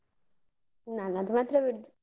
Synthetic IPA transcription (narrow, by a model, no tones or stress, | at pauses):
nanad̪umat̪ɾəʋiɾd̪